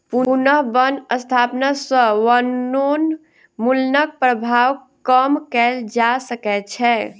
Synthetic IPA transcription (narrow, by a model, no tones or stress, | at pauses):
puunəɦbənəst̪ʰapnasə̃ʋənːon | mulnək̚pɾəbʱawkəmkɛld͡ʒasəkɛt͡ʃʰɛ